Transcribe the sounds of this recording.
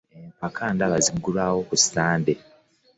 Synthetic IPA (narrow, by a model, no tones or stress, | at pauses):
empakʰaːndaβaziŋɡulaːwokusi̥aːnde